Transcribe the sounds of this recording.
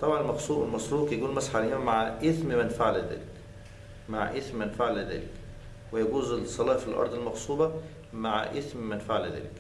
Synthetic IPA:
t̪ˤɑbʕɑnelmɑxsˤuːʔelmɑsɾuːqjæɡuːlmæsħalhemæmaʕʔeθmmænfaʕlæd̪æ̰ːlɪk | maʕʔeθmmænfaʕlæd̪æ̰ːlɪk | wejæɡuːzesˤːɑlɑːfilʔɑ̰ɾˤd̪ˤelmɑxsˤuːbɑ | maʕ̰ʔeθmmænfaʕlæd̪æ̰ːlek

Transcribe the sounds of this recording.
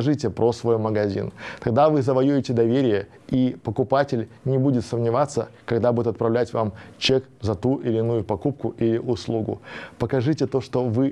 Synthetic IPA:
ʐɨtʲɪpɾosvojməɡɐzʲḭnt̪ɐɡd̪avɨzəvɐjuɪtʲɪd̪ɐvʲeɾʲɪjə | ipəkʊpatʲɪlʲ | nʲɪbudʲɪt̪səmnʲɪvat̪sːəkɐɡd̪abudʲɪt̪ɐt̪pɾɐvlʲætʲvamt͡ɕekzɐt̪uʔɪlʲɪnujʊpɐkup̚kʊʔilʲɪʔʊslˠuɡʊ̰pəkɐʐɨtʲɪt̪o̞ʂt̪o̞vɨ

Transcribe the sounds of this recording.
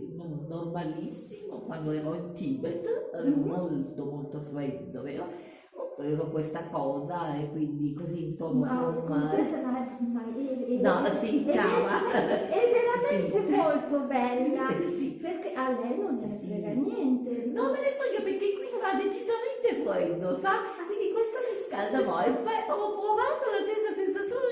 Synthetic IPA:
nɔnormalisːimokwand̪oleɾɔint̪ibet̪avevomolt̪omolt̪ofɾɛd̪ːo̰pḛɾɔ | opeɾekokwest̪akɔːzaekːwind̪ikoziːnt̪ornoɔesmamaenɔsikamaɛveɾamenit̪emolt̪obɛlːasiperkeʔalːɛjnonːastileɡanːjɛnt̪enomːenet̪ɔʎːopeɾkːekːwiofad̪ːet͡ʃizament̪efluɛnd̪osa | kwind̪ikwest̪omiskald̪anɔepɛopɾovant̪ounast̪esːasensat̪sːjoːn

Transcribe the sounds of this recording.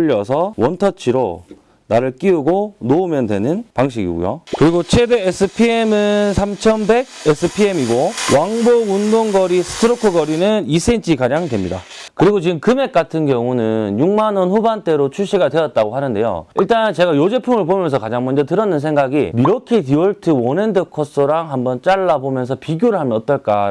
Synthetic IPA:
ʎːʌsʰʌwʌntʰʌt͡ɕʰiɾo̰ | naɾɯɭk͈iuɡonoumjʌndwe̞̰nɯnpaŋɕ̬ʰiɡḭɡṵjo̰kɯɾiɡot͡ɕʰe̞deesʰɯpʰiemɯnsʰamt͡ɕʰʌnbe̞ɡ̚esʰɯpʰie̞miɡowaŋboɡundoŋɡʌɾisʰɯ̥tʰɯɾokʰɯɡʌɾinɯnis͈ʰent͡ɕʰikaɾaŋdwe̞mɲida̰ | kɯɾiɡot͡ɕiɡɯmkɯme̞k͈atʰɯnkjʌŋunɯnjuŋmanʌnɸubant͈e̞ɾot͡ɕʰuɭɕ͈ʰiɡadwe̞jʌt̚t͈aɡohanɯnde̞̰jo̰iɭt͈ant͡ɕe̞ɡajod͡ʑe̞pʰuŋɯɭpomjʌns̬ʰʌkad͡ʑaŋmʌnd͡ʑʌtɯɾʌnːɯns̬ʰe̞ŋɡaɡimiɾʌkʰetiwʌɭtʰɯwʌnendɯkʰʌs͈ɯɾaŋhambʌnt͡ɕ͈aɭːabomjʌnsʰʌpiɡjoɾɯɭɦamjʌnʌt͈ʌɭk͈a̰

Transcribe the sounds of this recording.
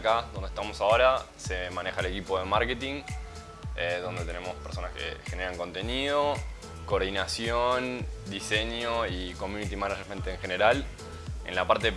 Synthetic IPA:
kaðo̞nd̪eht̪amo̞sao̞ɾa | se̞mãne̞xaele̞kipoðemaɾket̪iŋ | eðo̞nd̪et̪e̞ne̞mo̞speɾso̞naske̞̰xene̞ɾaŋko̞nt̪eniðo̞ | ko̞ːɾðinasjond̪iseɲoikomjunit̪imanad͡ʒment̪eŋxeneɾal | ḛnlapaɾt̪e

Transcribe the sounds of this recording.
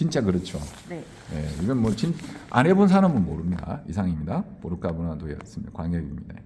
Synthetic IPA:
t͡ɕint͡ɕ͈akɯɾʌt͡ɕʰo | n | je̞̰iɡɯnmwʌt͡ɕina̰ne̞bons̬ʰaɾamɯnmoɾɯmɲida̰isʰaŋimɲidapoɾɯk͈abonadoʌ̰s͈ɯmɲidakwaŋɡʌɡḭmɲida

